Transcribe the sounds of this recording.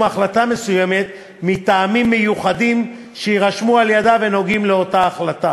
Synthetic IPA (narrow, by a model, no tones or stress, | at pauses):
aχlatame̞sujeme̞t̪ | mitaːmimːejuχadim | ʃeiʁaʃmualjadave̞no̞ɡimleo̞taːχlata